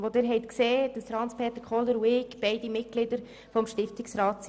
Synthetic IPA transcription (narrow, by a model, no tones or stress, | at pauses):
ʋodɪːɾɦɛɪtkseːd̥ɑsfɾɑnt͡spʰeːt̪əɾkʰɔləɾwɪkb̥ɛɪdimɪt̚ɡ̥lɪdəɾ | fɔmʃtɪftɪksɾɑːtt͡s